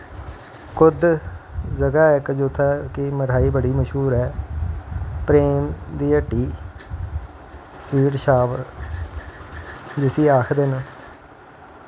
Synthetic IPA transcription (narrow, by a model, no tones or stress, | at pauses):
kʊd̪ | d͡ʒəɡaːɪkd͡ʒoːt̪ʰaːkɪməʈʰaːiːbəɽiːməʃɦuːɾɦɛː | pɾeːmd̪iːəʈːiː | sʋiːʈʃaːb | d͡ʒɪsiːaːkʰd̪en